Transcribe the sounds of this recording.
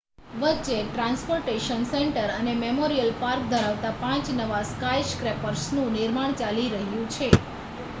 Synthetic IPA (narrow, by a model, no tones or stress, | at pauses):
ʋət͡ʃeʈɾãnspoɾʈeʃənsɛɳʈəɾənememoɾijəlpaɾk̚d̪ʱəɾaʋt̪apãt͡ʃnəʋaskajskɾepəɾsnũnɪɾmaɳ̃t͡ʃaliɾəɦjũt͡ʃʰe